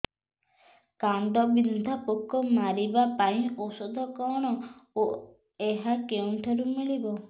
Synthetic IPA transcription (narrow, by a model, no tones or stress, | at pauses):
kand̪ɔbinud̪ʱapokːɔmaɾibapaĩosɔd̪ʱɔkɔɽ̃ɔo | eɦakewnʈʰɔɾumiɭibɔ